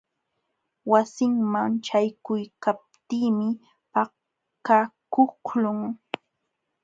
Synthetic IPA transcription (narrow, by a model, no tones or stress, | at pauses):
wasɪŋmaŋt͡ʃajkʊjkap̚t̪iːmɪ | pa | kakʊklʊŋ